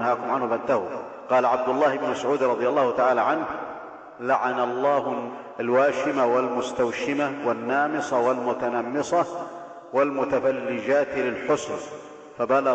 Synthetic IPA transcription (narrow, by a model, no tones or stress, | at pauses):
haːkʊmʕanhʊbant̪ahu | qɑːlaʕab̚d̪ʊlˤːaːhɪbnmasʕuːd̪ɾˤɑd̪ˤɨjɑlˤːɑːhʊt̪aʕaːlaʕanh | laʕanalˤːɑːh | alwaːʃɪmawɪlmʊst̪awʃɪmawanːaːmɪsˤɑwalmʊt̪anamːɨsˤɑ | walmʊt̪afalːɪd͡ʒaːt̪lɪlħʊsn | fabal